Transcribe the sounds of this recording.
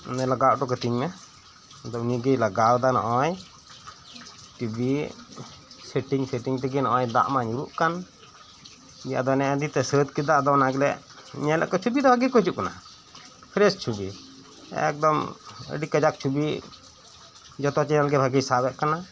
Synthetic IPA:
nɛlaɡaʔʈɔkət̪iɲmɛ | d̪ɔniɡəjlaɡawd̪anɔ̰ʔɔj | ʈibi | sɛʈiŋsɛʈiŋt̪ɛɡɛnɔʔɔjd̪a̰ʔmaɲuɾuʔkan | bija̰d̪ɔnɛəd̪it̪ɛsət̪kid̪aʔd̪ɔnaɡlɛ̰ʔ | ɲɛlɛ̰ʔkɔt͡ʃʰubid̪ɔbʱaɡijkɔt͡ʃuʔkana̰ | pʰɾɛst͡ʃʰubi | ɛ̰k̚d̪ɔmə̰ɖikəd͡ʒak̚t͡ʃʰubi | d͡ʒɔt̪ɔt͡ʃɛnalɡɛbʱaɡijsabɛʔkana

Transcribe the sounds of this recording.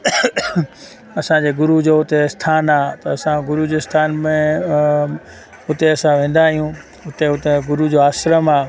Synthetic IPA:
ɐsãd͡ʑeːɡʊɾud͡ʑoʊt̪est̪ʰaːnaːt̪ɐɐsãɡʊɾud͡ʑoːɪst̪ʰaːnmẽ | ʊt̪eɐsãʋẽːn̆d̪aːɦijũ | ʊt̪eʊt̪eɡʊɾud͡ʑoaːsɾəmaː

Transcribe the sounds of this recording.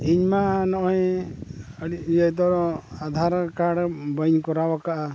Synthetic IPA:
iɲmanɔʔɦɛ̃ | əɽiujəjd̪ɔɾɔad̪ʱaɾkaɽbəɲkɔɾawakaʔa

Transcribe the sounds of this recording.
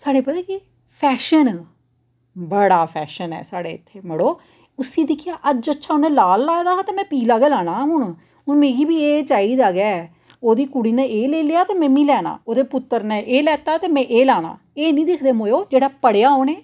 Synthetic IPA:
saːɽeːpət̪ẽːkeː | pʰɛːʃən | bəɽaːpʰɛːʃənɛ̰ːsaːɽḛːɪt̪ʰːeːməɽoː | ʊsĩːd̪ɪkʰɪjaːʔəd͡ʒətːʃʰaːʊnɛ̃ːlaːlːaːd̪aːɦãːt̪eːmɛ̃ːpiːlaːɡeːlaːɽ̃ãːʊn | ɦʊnmeːɡiːbiːeːt͡ʃaːiːd̪aːɡɛː | oːd̪iːkuɽiːnẽʔeːleːlɪjaːt̪eːmɛ̃ːmiːlɛːna̰ːoːd̪eːpʊt̪ːəɾnẽːʔeːlɛːt̪aːt̪eːmɛ̃ːʔeːlaːna̰ː | eːnĩːd̪ɪkʰd̪eːmoːjoːd͡ʒeːɽaːpəɽejaːɦoːneː

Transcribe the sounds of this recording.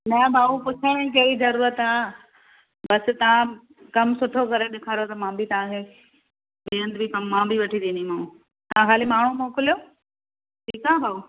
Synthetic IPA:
nɐbʱaːupʊt͡ɕʰaẽk̬ɐizɐɾuːɾət̪aː | bɐsɪ̆t̪ɐʋ̤ã | kɐmsʊʈʰokɐɾeɗɪkʰaːɾot̪ɐmãːbʱit̪ɐʋ̤ãkʰe | beːə̃nd̪bʱikɐmːãːbʱiʋɐʈʰid̪ĩːnd̪imãũ | t̪ɐãkaːlimaːɳ̤ũmõːkʊlijo | ʈʰiːkaːbʱaːu

